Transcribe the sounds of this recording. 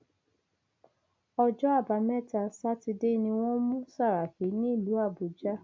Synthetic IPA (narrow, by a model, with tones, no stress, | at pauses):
ɔ˧d͡ʒɔ˦a˦˨ba˨˦mɛ˦˨ta˧˨sa˦ti˧de˦nĩ˧w̃ɔ̃˦mũ˦sa˦˨ɾa˨ke˨˦nĩ˦i˦˨lu˨˦a˦˨bu˨d͡ʒa˦